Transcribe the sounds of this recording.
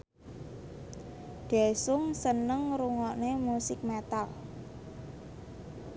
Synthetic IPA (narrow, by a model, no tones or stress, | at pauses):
d̪̥ɛsʊŋsənəŋɾuŋɔʔnemusɪk̚mɛt̪al